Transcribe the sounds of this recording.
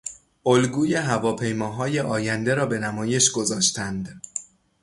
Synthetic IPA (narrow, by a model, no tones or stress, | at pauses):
ʔolɡuːje̞ɦævɒːpʰe̞jmɒːɦɒːje̞ʔɒːjænd̪e̞ɾɒːbe̞næmɒːje̞ʃɡo̞zɒːʃt̪ʰænd̪